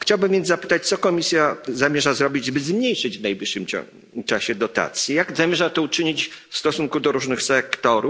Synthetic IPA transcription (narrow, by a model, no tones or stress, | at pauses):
xt͡ɕawbɘmvʲjɛnzzapɘ̥t̪at͡ɕt̪sɔkɔmʲisʲjazamʲjɛʐazɾɔbʲid͡ʑbɘzmɲejʂɘd͡ʑvnajbʲiʂːɘmt͡ɕɔ̰ | t͡ʂaɕɛd̪ɔt̪a̰t̪sʲjijaɡzamʲjɛʐat̪ɔut͡ʂɘɲit͡ɕfst̪ɔsuŋkud̪ɔɾuʐnɘxsɛkt̪ɔɾu